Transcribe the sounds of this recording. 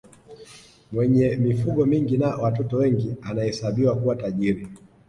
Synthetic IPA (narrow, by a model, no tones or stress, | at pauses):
mwɛɲɛmifuɠɔmiŋɡinawatɔtɔwɛŋɡianahɛsaɓiwakuwataʄiɾi